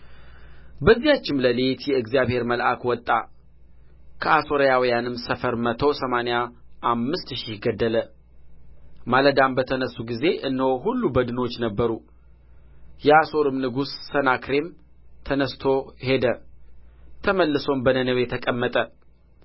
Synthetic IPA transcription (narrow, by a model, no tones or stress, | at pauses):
bəzːihat͡ʃːɪmləlet̪jɛɨɡzijaβhe̞ɾməlʔakwɔt̪ʼːa̰ | kʰəʔaso̞ɾjawijanɨmsəfəɾmət̪ʰəwsəmanejaʔamːɨst̪ʃihɡəd̪ːələ | maləd̪ambət̪ʰənəsːuɡize̞ʔɨnːhoɦulːubəd̪ɨno̞t͡ʃːnəbːəɾu | jɛaso̞ɾɨmnɨɡusːənakɾe̞m | t̪ʰənəst̪ʰo̞he̞d̪ə | t̪ʰəməlːɨso̞mbənənəwjɛt̪ʰəkʼəmːət̪ʼə